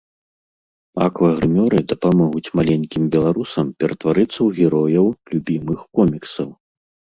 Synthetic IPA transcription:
a̰kvɐɣɾɨmʲɔɾɨd̪ɐpamɔɣut͡sʲmalʲenʲkʲimbʲɛlˠaɾusɐmpʲɛɾɐt̪vaɾɨt̪sːɐwɣʲɛɾɔjɐwlʲubʲimɨxkɔmʲiksɐw

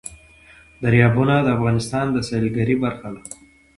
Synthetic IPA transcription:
d̪aɾjɑbunad̪əafɣɑnɪst̪ɑnd̪əsɑlɡaɾibaɾxala

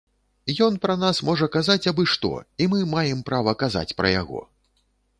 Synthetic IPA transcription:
jɔnpɾɐnasmɔʐɐkazat͡sʲabɨʂt̪ɔ̰imɨmajɛmpɾavɐkaza̰t͡sʲpɾɐ̰ja̰ɣɔ̰

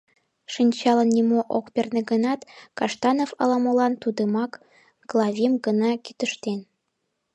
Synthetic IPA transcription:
ʃinʲt͡ɕɑlənːimoʔokpʲernĕɡənɑt̪kɑʃt̪ɑnofɑlɑmolɑnt̪ud̪əmɑk | ɡlˠɑvʲimɡənɑkit̪ə̆ʃt̪en

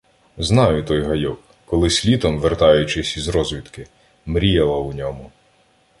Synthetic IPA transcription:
znɑjʊt̪ɔjɦɐjɔkːɔlˠɪsʲlʲit̪ɔmʋert̪ɑjʊt͡ʃɪsʲizɾɔzʋʲit̪kɪ | mɾʲijɐlˠɐʊnʲɔmʊ

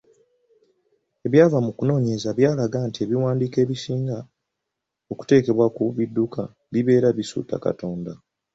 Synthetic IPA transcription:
e̞βjaːvamukuno̞ːɲe̞zaβjaːlaɡaːntie̞βiwaːndiːke̞ːβisiːŋɡa | o̞ku̥te̞ːke̞βwakuβidːuka | βiβe̞ːɾaβisṵːta̰ka̰to̞ːnda

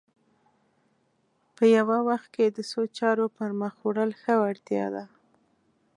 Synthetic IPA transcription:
pəjawawaxt̪̚ked̪əsot͡ʃɑɾopəɾməxoɽəlxəaɽt̪jɑ̰d̪a

